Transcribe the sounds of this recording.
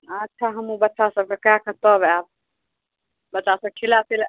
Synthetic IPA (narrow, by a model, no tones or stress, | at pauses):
ətːʃʰaɦəmubətːt͡ʃasəb̚kekakət̪ɔbab̚ | bətːt͡ʃasəb̚kʰilasil